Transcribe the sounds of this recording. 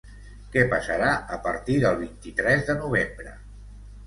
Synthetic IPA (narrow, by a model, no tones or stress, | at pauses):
kɛpəsəɾaəpə̰ɾt̪iðəlˠβ̞int̪it̪ɾɛzðənuβ̞embɾə̰